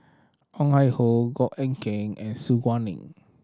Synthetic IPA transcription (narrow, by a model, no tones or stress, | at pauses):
ʔɔ̃ŋhajhoɡɔʔɛ̃ŋkɛ̃ŋɛ̰̃nsuɡwãnḭ̃ŋ